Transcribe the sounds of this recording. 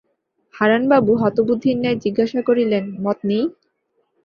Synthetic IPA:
haɾanbabuɦɔt̪obud̪ʱːinːaed͡ʑiɡːaʃakoɾilenmɔt̪̚ni

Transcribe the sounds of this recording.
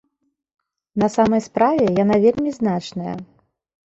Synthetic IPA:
nɐsamɐjspɾavʲɛjanavʲelʲmʲiznat͡ʂnɐjɐ̰

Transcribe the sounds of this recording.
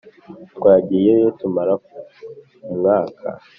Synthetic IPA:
twaːɟijejotumaɾa | umŋaːkʰa̰

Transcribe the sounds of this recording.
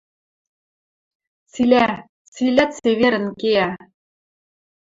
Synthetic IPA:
t͡silʲæ | t͡silʲæt̪seβeɾɘ̆nkeæ

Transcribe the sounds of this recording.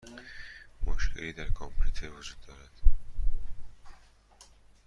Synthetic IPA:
moʃkʰeliːd̪æɾkʰompʰlut̪ʰeɾvod͡ʒuːd̪ːɒːɾæd̪̥

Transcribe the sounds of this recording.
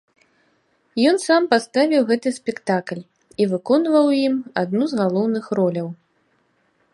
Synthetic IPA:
jɔnsampast̪avʲiwɣɛt̪ɨsʲpʲɛkt̪aklʲ | ivɨkɔnvɐwjimad̪nuzɣalˠɔwnɨxrɔlʲɐw

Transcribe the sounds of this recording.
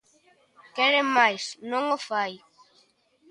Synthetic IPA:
kɛɾemajsnõŋofaj

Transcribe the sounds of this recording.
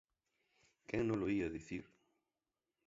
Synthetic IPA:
kɛŋnõloiɐðiθiɾ

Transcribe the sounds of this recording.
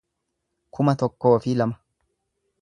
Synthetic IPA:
kʰʊmɐt̪ɔkːoːfiːlɐmɐ̥

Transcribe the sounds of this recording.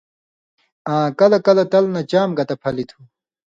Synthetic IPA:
ãːkɐlɐkɐlɐt̪ɐlnɐt͡ɕaːmɡɐt̪ɐpʰɐlit̪ʰu

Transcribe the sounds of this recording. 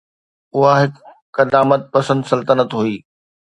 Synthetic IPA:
ʊɦaɦɪkː | ɐd̪aːmət̪̚pɐsə̃nd̪sɐlt̪ənət̪ɦuiː

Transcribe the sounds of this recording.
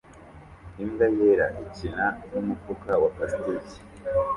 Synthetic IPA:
iŋɡajeɾaʔicinanumukokawapasitici̥

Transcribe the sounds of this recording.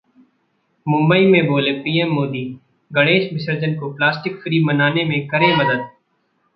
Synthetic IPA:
mʊ̃mbəiːmẽboːlepiːɛːmːoːd̪iː | ɡəɽeːʃmɪsəɾd͡ʒənkoplaːsʈɪkfɾiːmənaːnemẽkəɾẽməd̪əd̪̚

